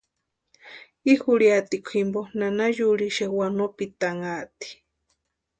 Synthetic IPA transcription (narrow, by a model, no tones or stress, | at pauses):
ixuɺiat̪ikʷʰimbonanajuɺiʃewanopit̪aŋat̪i̥